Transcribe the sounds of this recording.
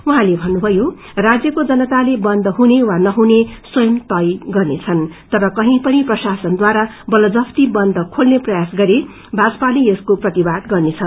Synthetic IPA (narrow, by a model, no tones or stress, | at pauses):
uɦãlebʱʌnːubʱʌjo | rad͡zjʌkod͡zʌnʌt̪alebʌnd̪ʱʌɦunewanʌɦuneswʌjʌmt̪ʌjɡʌrnet͡sʰʌnt̪ʌɾʌkʌɦĩpʌniprʌsasʌnd̪waɾabʌlʌd͡zʌpʰt̪ibʌnd̪ʱʌkʰolneprʌjasɡʌɾe | bʱad͡zʌpaleeskoprʌt̪ibad̪ɡʌrnet͡sʰʌ